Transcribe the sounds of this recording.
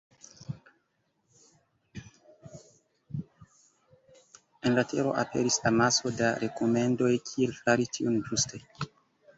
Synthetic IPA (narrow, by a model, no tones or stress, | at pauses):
enlatʰeɾo̞̰ʔape̞̰ɾislamaso̞daɾʔe̞kome̞ndo̞jkʰielfaɾitʰiund͡ʒustʰe̞